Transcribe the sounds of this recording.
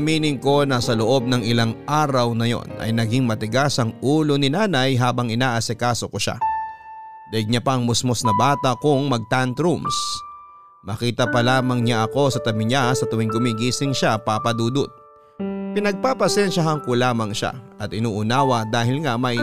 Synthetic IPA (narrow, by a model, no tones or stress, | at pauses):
ɐmiːnɪŋko̞nɐsɐloʔo̞b̚nɐŋɪlaŋʔaːɾɐwnɐjo̞̰nɐ̰jnɐɡiŋmɐt̪ɪɡasɐŋʔuːlonɪnaːnɐjɦaːbɐŋɪnaːʔɐsɛkaːso̞koʃa̰ | d̪ɐɪɡ̚ɲɐpɐɐŋmʊsmosnɐbaːt̪ɐkʊŋmɐɡ̚t̪ant̪ɾums | mɐkiːt̪ɐpɐlaːmɐŋɲaʔɐko̞sɐt̪ɐmɪɲasɐt̪ʊmɪŋɡʊmiɡiːsɪŋʃapapɐd̪uːd̪ʊt̪̚ | pɪnɐɡ̚papɐsɛnʃɐɦɐŋkolaːmɐŋʃa̰ʔɐt̪ʔɪnuːʔʊnaːwɐd̪aːhɪlŋamɐj